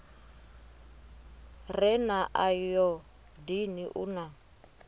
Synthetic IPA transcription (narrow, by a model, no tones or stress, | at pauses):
rɛnaʔajɔ | diniʔuna